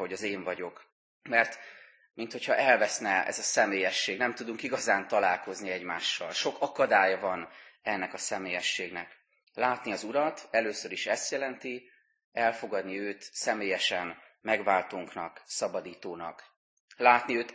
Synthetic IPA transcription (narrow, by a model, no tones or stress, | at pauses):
ho̞ɟɒzeːɱvɒɟo̞k | mɛrt̪ | mint̪ho̞cʰhɒʔɛlvɛsnɛɛ̰zɒsɛmeːjɛʃːeːɡnɛmt̪ud̪uŋkiɡɒzaːnt̪ɒlaːlko̞zniɛɟmaːʃːɒ̰lʃo̞kɒkɒd̪aːjɒvɒnɛnːɛkɒsɛmeːjɛʃːeːɡnɛk | laːt̪niɒzuɾɒt̪ɛløːsøɾiʃɛst̪jɛlɛnt̪i | ɛlfo̞ɡɒd̪niøːt̪sɛmeːjɛʃɛn | mɛɡvaːlt̪oːŋknɒksɒbɒd̪iːt̪oːnɒ̰k | laːt̪niøːt̪